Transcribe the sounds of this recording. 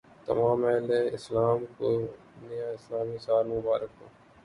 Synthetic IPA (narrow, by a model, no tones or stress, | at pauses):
t̪ɐ̰mãːmɛːleɪslaːmko | nɪjaɪslaːmisaːɾmʊbaːɾək̚toː